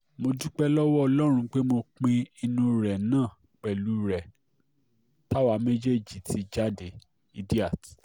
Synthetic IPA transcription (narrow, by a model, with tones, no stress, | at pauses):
mo˧du˦k͡pɛ˦lɔ˦wɔ˦ɔ˧lɔ˦ɾ̃ũ˧k͡pe˦mo˧k͡pĩ˧i˧nũ˧ɾɛ˨nãː˦˨ | k͡pɛ˨lu˨˦ɾɛ˨ | ta˦wa˦me˦d͡ʒe˦˨d͡ʒi˨tʰi˨˧d͡ʒa˦de˨ | i˧di˦a˦˨t